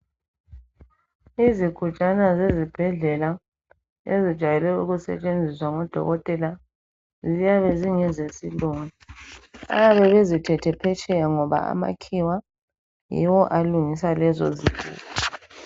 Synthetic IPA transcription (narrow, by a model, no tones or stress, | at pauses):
iziɡ̥ʱut͡ʃʼanazezib̥ʱɛɮɛla | ezid̥ʒ̥ʱajɛlɛuɣusɛ̰t͡ʃʼend͡zʱiswaŋɔd̥ʱɔ̰ɣɔtʼɛla | zijaβɛziŋɛzesiluːŋia̰jaβɛβezitʰɛtʰɛpʰɛt͡ʃʼɛjaŋɔβa̰a̰ma̰kʰiwa | jḭwɔʔaluŋisalɛzɔ̰ziɡ̥ʱṵːɣɔ